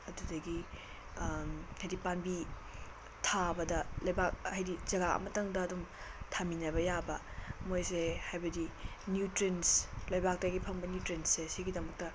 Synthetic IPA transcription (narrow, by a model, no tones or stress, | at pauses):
ɐdudɐɡi | hajdipanbi | tʰabɐdɐlɐjbak̚ajdid͡ʒɐɡaɐ̰mɐtɐŋdɐːdum | tʰaminabɐjabɐmojsehajbɐdinjutɾenslɐjbak̚tɐɡipʰɐŋbɐnjutɾensːesiɡidɐmɐk̚tɐ